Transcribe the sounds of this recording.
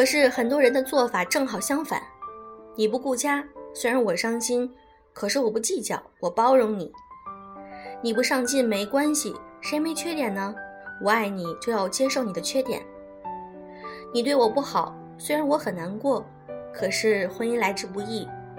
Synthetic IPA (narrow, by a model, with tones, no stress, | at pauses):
kʰɤ˨˩ʂɻ̩˥˩xə˨˩nt̪̬wɔ˥ɻə˧˥nd̪ə˧t͡swɔ˥˩fa˨˩ʈ͡ʂɤ˥˩ŋxɑ˨˩ʊɕjɑ˥ŋfa̰˨˩˦nni˨˩p̬u˧˥ku˥˩t͡ɕja˥swe˥ɪɻa˧˥nwɔ˨˩ʂɑ˥ŋɕi˥n | kʰɤ˨˩ʂɻ̩˥˩wɔ˨˩pu˧˥t͡ɕi˥˩t͡ɕjɑ̰˨˩˦ʊwɔ˨˩pɑ˥ʊɻʊ˧˥ŋni˨˩˦ | ni˨˩pu˧˥ʂɑ˥˧ŋt͡ɕi˥˩nme˧˥ɪkwa˥nɕḭ˨ʂe˧˥ɪme˧˥ɪt͡ɕʰɥɛ˥t̪jɛ˨˩nnə˧ | wɔ˧˩a˥˩ɪni˨˩˦t͡ɕjo˥˧ʊjɑ˥˩ʊt͡ɕjɛ˥ʂo˥˩ʊni˨˩d̪ə˦t͡ɕʰɥɛ˥t̪jɛ̰˨˩˦n | ni˨˩t̪we˥˩ɪwɔ˨˩pu˥˩xɑ˨˩˦ʊ | swe˥ɪɻa˧˥nwɔ˧˥xə˨˩nna˧˥nkwɔ˥˩ | kʰɤ˨˩ʂɻ̩˥˩xwə˥ni˥nla˧˥ɪʈ͡ʂɻ̩˥˧pu˧˥˧i˥˩